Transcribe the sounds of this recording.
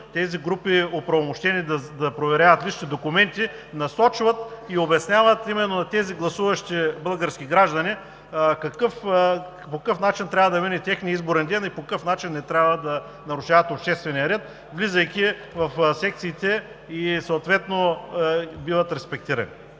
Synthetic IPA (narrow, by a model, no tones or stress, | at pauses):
t̪ɛziɡɾupiopɾɐvomoʃt̪ɛnid̪ɐd̪ɐpɾovɛɾjavɐt̪liʃnid̪okʊmɛnt̪inɐsɔt͡ʃvɐt̪iobɛsnʲavɐt̪imɛnːonɐt̪ɛziɡlˠɐsuvɐʃt̪ibəlˠɡəɾskʲiɡɾaʒd̪ɐni | kɐkɤf | pokɐkɤfnat͡ʃint̪ɾʲabvəd̪ɐvinɛt̪ʲɛxniəizboɾɛnd̪ɛnipokɐkɤfnat͡ʃinːɛt̪ɾʲabvəd̪ɐ | nɐɾʊʃavɐt̪opʃt̪ɛst̪vɛniɐɾɛt̪̚ | vlizəjkʲi | vɐfsɛk̚t̪siːt̪ɛ | isɐʊt̪vɛt̪no | bivɐt̪ɾɛspɛk̚t̪iɾɐ̰nḭ